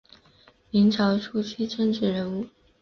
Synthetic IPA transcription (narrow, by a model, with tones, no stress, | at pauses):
mi˧˥ŋʈ͡ʂʰɑ˧˥ʊʈ͡ʂʰu˥t͡ɕʰy˥ʈ͡ʂə˥˧ŋʈ͡ʂɻ̩˥˩ɻə˧˥nu˥˩